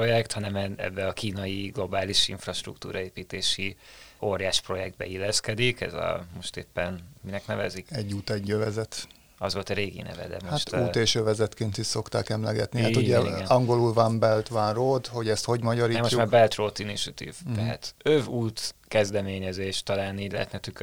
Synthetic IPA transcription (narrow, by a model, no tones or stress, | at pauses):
pojɛkt̪hɒnɛmɛɛ̰bːɛɒkiːnɒjiɡlo̞baːliʃḭɱfrɒʃt̪rṵkt̪ṵːɾɒeːpiːt̪eːʃioːɾjaːʃpro̞jɛɡ̚d̪̚bɛ̰ilːɛskɛd̪ikɛ̰zɒ̰moʃt̪ḛːpːɛnminɛknɛvɛ̰zikɛɟːuːt̪ɛɟːøvɛzɛt̪ | ɒzʋo̞lt̪ɒɾeːɡḭnɛ̰vɛ̰d̪ɛ̰moaʃt̪uːeːʃøvɛzɛt̪keːnt̪iʃso̞kt̪aːkɛmlɛɡɛt̪nihauɟɛɡɛɒŋɡo̞lulvambɛlt̪ʋanroːd̪ho̞ɟɛst̪ho̞ɟmɒɟɒɾiːɛmoʃːumaːɾbɛlt̪roːt̪iniʃut̪ḭvt̪ɛɦa̰t̪øvuːt̪kɛzd̪ɛmeːɲɛzeːʃt̪ɒlaːniːɟlɛ̰ɦɛ̰t̪nɛt̪yk